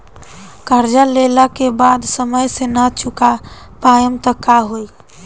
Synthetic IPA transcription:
kəɾd͡ʒalelakebad̪səməjsenat͡ʃʰuka | pajəmt̪əkːaɦoj

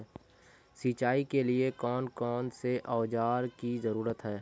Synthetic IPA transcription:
siːt͡ʃaːikeliekɔːnkɔːnseʔɔːd͡ʒaːɾkizəɾuːɾət̪ɦɛː

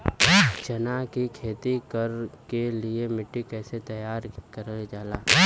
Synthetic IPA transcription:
t͡ʃɐnakikʰeːt̪ikəɾkeliemɪʈːikɛːset̪ɐjaːɾkɐɾəld͡ʒaːlaː

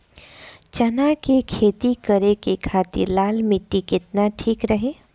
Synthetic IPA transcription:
t͡ʃɐnakekʰeːt̪ikəɾekekʰaːt̪ɪ̰ɾlaːlmɪʈːikɪt̪naʈʰiːkɾɐɦeː

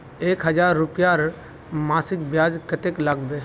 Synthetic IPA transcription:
eːkɦəd͡ʒaːɾːʊpjaɾ | maːsɪkbjaːd͡ʒkət̪ekləɡb̪eː

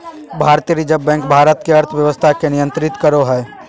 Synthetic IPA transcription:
bʱaːɾt̪ijəɾid͡ʒəbːɛ̃ːŋkbʱaːɾət̪keɐɾt̪ʰʋjəʋəst̪ʰakenɪjə̃nt̪ɾɪt̪kəɾoɦɛː

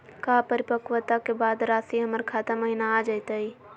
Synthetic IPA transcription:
kaːpəɾɪpəkʋət̪akebaːd̪ɾaːsiɦəməɾkʰaːt̪aməɦinaːd͡ʒaɪt̪aɦi

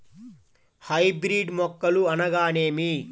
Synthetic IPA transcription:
hɐjbɾiːɖmɔkːɐluɐnɐɡaːneːmi

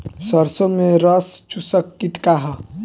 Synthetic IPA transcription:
səɾsomẽɾəst͡ʃusəkːiʈkaɦə

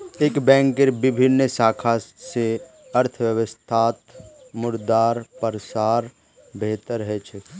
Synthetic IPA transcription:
eːkbɛ̃ːŋkːeɾbɪbʱɪnːsaːkʰase | əɾt̪ʰʋjəʋəst̪ʰaːt̪ | mʊɾd̪aːɾpəɾsaːɾ | beːt̪əɾɦɛt͡ʃʰə

